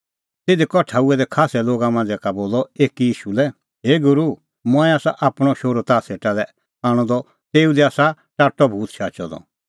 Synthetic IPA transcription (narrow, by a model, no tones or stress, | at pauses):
t̪eːd̪ɛkɔʈʰaːuɛd̪ɛkʰaːsɛloːɡamãːnd͡zɛkaboːlɔeːkijiːʃulɛ | ɦeːɡʊɾu | mɔ̃ɛ̃aːsaʔapɽ̃ɔʃoːɾɔt̪aːseːʈalɛ | aːɽ̃ɔ̃d̪ɔ | t̪eːud̪iaːsa | ʈaːʈːɔbʱuːt̪ʃaːt͡ʃɔd̪ɔ̰